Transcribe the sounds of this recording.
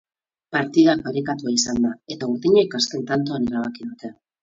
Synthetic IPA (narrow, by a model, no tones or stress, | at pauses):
paɾt̪iðak̚baɾikat̪uaisand̪ae̞t̪auɾðiɲaikaske̞nt̪ant̪̬oaneɾaβ̞akiðut̪e